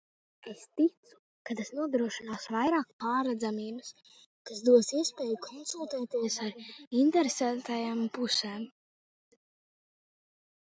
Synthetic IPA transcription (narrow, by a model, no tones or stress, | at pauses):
est̪it̪su̥ | kat̪asnuɔd̪ɾuɔʃinaːsvajɾaːkpaːɾad̪zamiːbɨs | kasd̪uɔsiɛspɛːjukʰɔnsulˠt̪ɛːt̪iɛsaɾint̪ɛɾesænt̪ajampusɛːm